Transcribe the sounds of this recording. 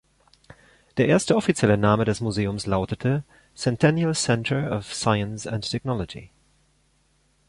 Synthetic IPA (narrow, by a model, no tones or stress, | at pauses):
d̥eːɐʔeːɐstəɔfit͡sjɛlənaːmədɛsmuzeːʊmslaʊtətʰə | sɛntʰɛnjəlsɛ̃ntʰə˞ɔfsaɪə̃nsãntʰɛknɔlɔd͡ʒḭ